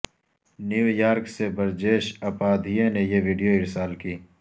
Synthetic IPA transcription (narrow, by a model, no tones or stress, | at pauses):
njuːjaːɾksebɐɾd͡ʒeːʃɐpaːd̪ʱienejeʋiːɖijoɪɾsaːlkiː